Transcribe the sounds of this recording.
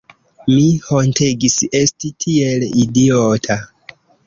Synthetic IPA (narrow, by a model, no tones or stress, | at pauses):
mihonteɡise̞stitʰielidiotʰa